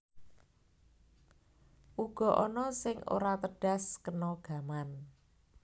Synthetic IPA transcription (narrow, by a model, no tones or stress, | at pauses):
ʔuɡ̥ɔ̤ʔɔnɔsɪŋo̰ɾat̪əɖ̥a̤skənɔɡ̥a̤man